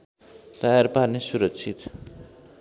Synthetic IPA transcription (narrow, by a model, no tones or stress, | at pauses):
d̪̥ajaɾpanisuɾʌkt͡sʰit̪